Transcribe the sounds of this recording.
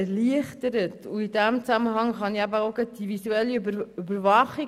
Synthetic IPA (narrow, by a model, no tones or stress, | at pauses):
ɛliəχtəɾətʊidæmt͡sæməɦɑŋχɑniæbəoʊɡəd̥ivisuɛliybəybəɾvɑχi